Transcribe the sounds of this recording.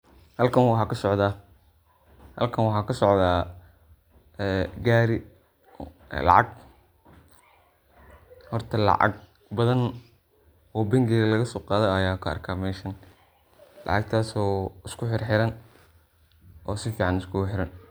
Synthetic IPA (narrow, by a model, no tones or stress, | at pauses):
hɐlkʰɐnwɑħɑːkʰɐsɔʕðaː | hɐ̰lkʰɐnwɑħɑːkʰɐsɔʕðaː | ɛːɡaːɾɪ | lɑ̰ʕɑɡ | hɔrt̪ʰɐlɑ̰ʕɑ̰ɡ̚ | bɐðɐn | ɔːbɪŋɡɛːɣɐlɐɣɐsɔːqɑːðɔɐjaːkʰɐɐ̰rkʰaːmɛjʃɐn | lɑ̰ʕɑɡ̚t̪ʰaːsɔːɪskʰʊħɪrħɪɾɐn | ʔɔːsɪfiːʕɑnɪskʰʊɣʊħɪɾɐn